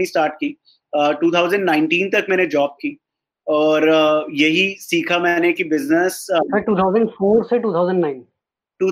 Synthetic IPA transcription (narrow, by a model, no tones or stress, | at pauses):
isʈaːɾʈ̚kiː | əʈuːt̪ʰaːʊzə̃ɳɖnãːɪ̃ɳʈĩːnt̪ɐkmɛːned͡ʒɔːb̚kiː | ɔːɾjɐɦisiːkʰamɛːnekibɪznəssɐɾʈuːt̪ʰaːʊzə̃ɳɖfoːɾseʈuːt̪ʰaʊzə̃ɳɖnãɪn | ʈuː